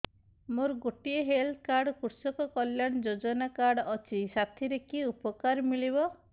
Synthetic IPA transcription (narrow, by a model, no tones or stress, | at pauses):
moɾɔɡoʈieɦeld̪kaɾɽɔkuɾsɔkɔkɔljaɽ̃ɔd͡ʒod͡ʒɔnakaɾɽɔɔt͡ʃʰisat̪ʰiɾekiupɔkaɾmilibɔ